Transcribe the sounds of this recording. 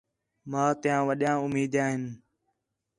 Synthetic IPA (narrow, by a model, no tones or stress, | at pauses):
mãːt̪ɪjãːʋəɗɪjãːʊmiːd̪aːɦɪn